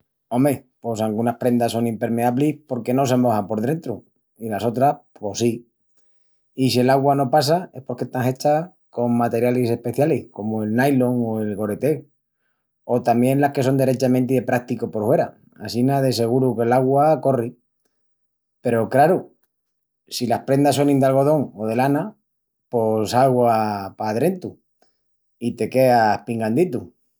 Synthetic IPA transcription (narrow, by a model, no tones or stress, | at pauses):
o̞mepo̞saŋɡunaspɾe̞nd̪aso̞ŋimpe̞ɾme̞aβlispo̞ɾke̞no̞s̬e̞mo̞hampo̞ɾðɾe̞nt̪ɾu | ilaso̞t̪ɾaspo̞si | isie̞laɣwano̞pasae̞spo̞ɾke̞st̪aŋhe̞t͡ʃa | ko̞ŋmat̪e̞ɾjalise̞hpe̞θjalihko̞moe̞lnajlo̞ŋoe̞lɣo̞ɾe̞t̪e̞ | o̞t̪ambje̞nlaske̞so̞nd̪e̞ɾe̞t͡ʃamẽnt̪̬iðe̞pɾak̚t̪ikopo̞ɾfwe̞ɾa̰ | a̰sinaðes̬e̞ɣ̞uɾuke̞laɣwako̞ri | pe̞ɾo̞kɾaɾu | silahpɾe̞nd̪as̬onĩnd̪alɣo̞ð̞o̞ŋo̞ð̞e̞lana | po̞saɣwapaðɾe̞nt̪u | it̪e̞ke̞ahpiŋɡand̪it̪u